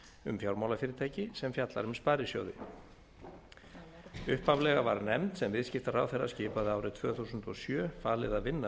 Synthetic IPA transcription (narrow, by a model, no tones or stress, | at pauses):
ʏ̰mfjawɾmawlafɪːɾɪɾt̪ʰaːjcɪsɛmfjat̪la̰ɾʏmspaːɾɪsjo̰ːwðɪ̰ | ʏhpavlɛɣava̰ɾnɛmt̪sɛmvɪðscɪft̪aɾa̰wθɛrːa̰scɪːpaðɪaːwɾɪt̪ʰvœːθuːsʏnt̪ɔsjœːfaːlɪðaðvɪnːa